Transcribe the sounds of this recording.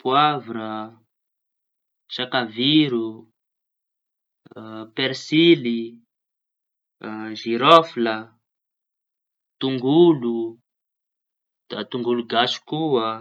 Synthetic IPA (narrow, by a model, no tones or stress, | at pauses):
pwavɾa | ʃakaviɾu | peɾsili | ʒiɾɔfla | t̪uŋɡulu | d̪̥at̪uŋɡuluɡasu̥kuə